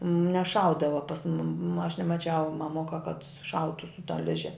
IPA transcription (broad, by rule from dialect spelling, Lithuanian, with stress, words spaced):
nʲɛˈʃɐʊdɐʋɐ pɐs mʊm ɐʃ nʲɛmɐˈt͡ʃʲɛʊ mɐˈmʊkɐ kɐt sʊˈʃɐʊtʊ sʊ tɐ ˈlʲɪʒʲɛ